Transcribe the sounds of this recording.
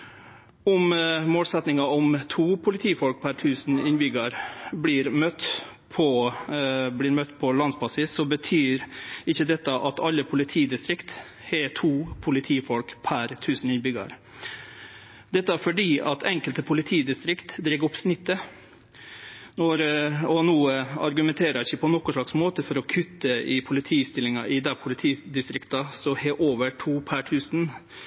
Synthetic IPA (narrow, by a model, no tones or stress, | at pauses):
ɔmmoːlsɛt̪nɪŋɑɔmt̪ʰuːpʰʊlɪt̪ʰiːfɔlk̚pʰæɾt̪ʰʉːsn̩ɪnbʏɡɑɾblɪːɾmœt̪pʰɔ | blɪːɾmœt̪ːpʰɔlɑnspɑsɪsɔbət̪ʰyːɾɪçːəd̪ɛt̪ːəʔɑt̪ɑlːəpʰʊlɪt̪ʰiːd̪ɪst̪ɾɪkt̪ | hɛt̪ʰuːpʰʊlɪt̪ʰiːfɔlkpʰæɾt̪ʰʉːsn̩ɪnbʏɡɑ̰ɾ | d̪ɛt̪ːəæɾfɔɖiːʔɑ̰t̪ʰɛŋkəlt̪əpʰʊlɪt̪ʰiːd̪ɪst̪ɾɪkt̪d̪ɾɪɡɔpsnɪt̪ːə | nɔɾɔnuːəɑ̰ɾɡʉmɛnt̪ʰeːɾɑɪçəpʰɔnɔkːʊʂɭɑksmoːt̪əfɔɾɔkʰʉt̪ːəɪpʰʊlɪt̪ʰiːst̪ɪlɪŋɑʔɪd̪ɛpʰʊlɪt̪ʰiːd̪ɪst̪ɾɪkt̪ɑsɔheːʔoːʋəɾʈʰuːpʰæʈʰʉːsn